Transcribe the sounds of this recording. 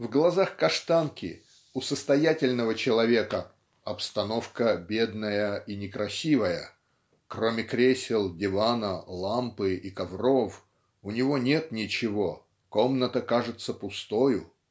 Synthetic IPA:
vɡlˠɐzaxkɐʂt̪ankʲɪ̰ | ʊsəst̪ɐjætʲɪlʲnəvət͡ɕɪlˠɐvʲe̞kə | ɐpst̪ɐno̞fkəbʲed̪nəjəinʲɪkɾɐsʲivəjə | kro̞mʲɪkɾʲesʲɪlˠdʲɪvanəlˠampɨikɐvro̞f | ʊnʲɪvo̞nʲe̞t̪nʲɪt͡ɕɪvo̞ | ko̞mnət̪əkaʐɨt̪səpʊst̪ojʊ

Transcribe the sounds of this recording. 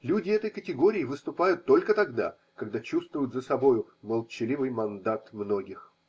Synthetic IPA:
lʲudʲɪɛt̪əjkətʲɪɡo̞ɾʲɪɪvɨst̪ʊpajʊt̪ːo̞lʲkət̪ɐɡd̪a̰ | kɐɡd̪at͡ɕust̪vʊjʊt̪zəsɐbo̞jʊ | məlˠt͡ɕɪlʲivɨjmɐnd̪at̪mnoɡʲɪx

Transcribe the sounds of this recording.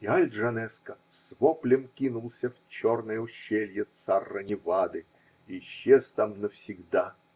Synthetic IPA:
ialʲd̪ʐɐnɛskə | svoplʲɪmkʲinʊlˠsʲəft͡ɕo̞rnəjəʊɕːelʲjət̪sarːənʲɪvad̪ɨ | iɕːest̪amnəfsʲɪɡd̪a

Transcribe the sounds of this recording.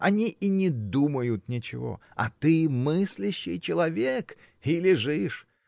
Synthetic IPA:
ɐnʲiʔinʲɪd̪uməjʊt̪nʲɪt͡ɕɪ̰vo̰ɐ̰t̪ɨmɨsʲlʲɪɕːɪjt͡ɕɪlˠɐvʲek | ilʲɪʐɨʂ

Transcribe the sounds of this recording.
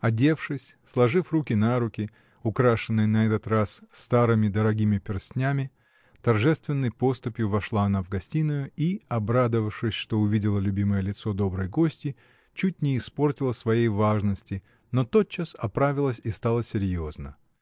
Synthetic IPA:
ɐdʲe̞fʂɨsʲslˠɐʐɨfrukʲɪnaɾʊkʲɪ | ʊkɾaʂɨnːɨjnɐɛt̪ət̪rasːt̪aɾɨmʲɪd̪əɾɐɡʲimʲɪpʲɪrsʲnʲamʲɪ | t̪ɐrʐɛst̪vʲɪnːəjpo̞st̪ʊpʲjʊvɐʂlˠaɐnavɡɐsʲtʲinʊjʊiɐbɾad̪əvəfʂɨsʲʂt̪o̞ʊvʲidʲɪlˠəlʲʉbʲiməjəlʲɪt̪so̞d̪o̞bɾɨjɡo̞sʲtʲɪ | t͡ɕut̚ʲnʲɪːspo̞rtʲɪlˠəsvɐjejvaʐnəsʲtʲɪ | no̞t̪o̞t̪̚t͡ɕːasɐpɾavʲɪlˠəsʲist̪alˠəsʲɪɾʲjo̞znə̰

